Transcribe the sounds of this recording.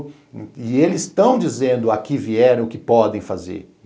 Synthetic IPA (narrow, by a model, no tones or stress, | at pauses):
ɪelɪzst̪ɐ̃w̃d͡ʒizẽnd̪ʊakɪviɛɾɐ̃w̃ʊkɪpɔd̪ẽj̃fazḛɾ